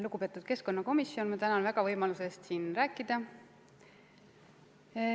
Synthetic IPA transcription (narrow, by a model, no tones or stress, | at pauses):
luɡ̥upe̞t̪ːˑud̪̥ke̞sko̞nːɑko̞misːjo̞nmɑt̪ænɑnvæɡ̥ɑvɤjmɑluse̞st̪siːnræːkːˑid̪̥ɑ